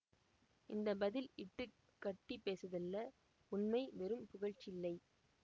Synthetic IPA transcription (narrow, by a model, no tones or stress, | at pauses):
ʔɪnd̪ɐbɐðɪlɪʈːɯ | kːɐʈːipeːsɐðɐlːɐ | ʊnmɐɪʋɛɾɯmpʊɣɐɻt͡ʃːɪlːɐɪ